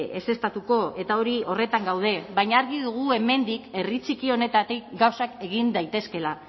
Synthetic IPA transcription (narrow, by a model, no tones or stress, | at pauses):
ese̞st̪at̪uko̞e̞t̪ao̞ɾio̞re̞t̪aŋɡawð̞e̞βaɲaːɾɣiðuɣ̞ue̞me̞nd̪ike̞rit͡sikio̞ne̞t̪at̪ekɡawsake̞ɣ̞ind̪ajt̪e̞ske̞la